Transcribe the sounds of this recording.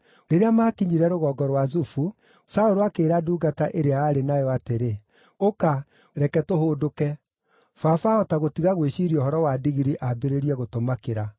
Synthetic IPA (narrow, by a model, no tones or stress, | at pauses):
ɾeɾeamakiɲiɾɛɾoɣɔːɡɔɾwazufu | saoɾoakeːɾaduːɡataʔeɾeaːɾenajɔateɾe | oka | ɾɛkɛtohoːdokɛ | fafaɔtaɣotiɣaɣweɕiɾiɔhɔɾɔwadiɣiɾiʔabeɾeɾijɛɣotomakeɾa